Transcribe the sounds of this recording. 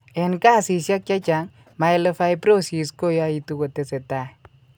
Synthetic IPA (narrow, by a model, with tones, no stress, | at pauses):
e˨nkaː˦˨si˨sja˦k̚t͡ʃa˦t͡ʃa˨˦ŋ | ma˨jle˨fa˦jpɾo˦si˨sko˦ja˦i˦tu˦ko˨te˨se˨ta˦˨